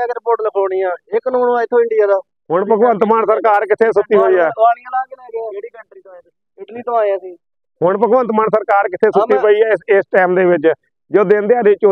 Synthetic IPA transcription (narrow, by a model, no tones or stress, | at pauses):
ɡəɾpoʈləkʰoːɽiːaːɪknõːnʋãːɪt̪ʰːõːɪɳɖijaːd̪aː | ɦʊɳpəɡʋə̃nt̪maːnsəɾkaːɾkɪt̪ʰeːsʊt̪ːiːɦoːiːɛːaːɽijãːlaːɡkeːlɛːɡɛːeːɽiːkəɳʈɾiːt̪o | ɪʈliːt̪õaːãːsiː | ɦʊɳpəɡʋə̃nt̪maːnsəɾkaːɾkɪt̪ʰeːsʊt̪ːiːpəiːɛːɪsɪsʈɛːmd̪eːʋɪt͡ʃ | d͡ʒoːd̪eːnd̪eaːd̪eɪt͡ʃo